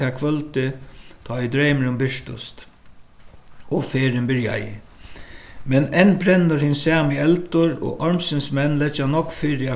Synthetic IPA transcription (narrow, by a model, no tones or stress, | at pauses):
aːkʰʋœlt̪ɪt̪ʰɔːɪd̪ɾejmɪɾʊmbɪʂt̪ʊ̰st̪ | ɔfeːɾɪnbɪɾja̰jɪ̰ | mɛnɛnːbɾɛnːʊɾhɪnsaːmɪɛlt̪ʊɾɔ̰ʔɔɹmsɪnsmɛnːlɛt͡ʃːanɔkːfɪɾɪa